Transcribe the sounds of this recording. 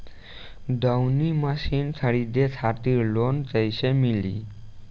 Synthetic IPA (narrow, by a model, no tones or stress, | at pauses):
ɖawnimasinsʰaɽid̪et̪ʰat̪iɾlont͡ɕajsemilḭ